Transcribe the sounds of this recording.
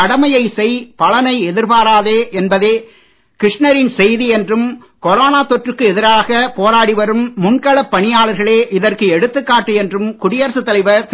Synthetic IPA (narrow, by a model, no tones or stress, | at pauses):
ɐɽɐmɐjɐɪsɛɪpɐlɐnɐɪɛðɪɾpaːɾaːðeːʔɛnbɐðeː | kɾɪʂnɐɾɪnsɛjðiɛndrɯm | kɔɾoːnaːt̪ɔʈrɯkːɯɛðɪɾaːɣɐpoːɾaːɽiʋɐɾɯmːʊnkɐɭɐpːɐɳɪjaːɭɐɾɣɐɭeːʔɪðɐrkɯɛɽɯt̪ːɯkːaːʈːɯɛndrɯmkʊɽɪjɐɾsɯt̪ːɐlɪʋɐɾt̪